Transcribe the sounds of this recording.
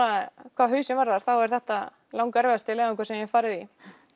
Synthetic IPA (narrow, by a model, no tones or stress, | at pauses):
akʰvaðɦʏɥsɛnvaɾðaɾ̥θawɛɾ̥θɛht̪a | lawŋkaɛɾvɛast̪ɪlɛːvɛŋkvḁɾsɛmjɛfaːɾɪði